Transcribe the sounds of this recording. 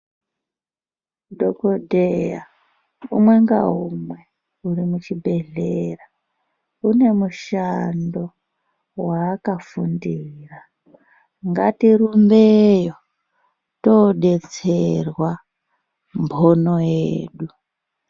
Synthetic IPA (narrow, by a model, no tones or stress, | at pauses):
dokodeja | umwe̞ŋɡa̰ɦumwe̞ | uɾimut͡ʃibʱe̞ɮera | une̞muʃando̞ | waːkafundiːra | ŋɡa̰tirumbejo | toɗet͡serwa | mbʰʱonojeeːɗu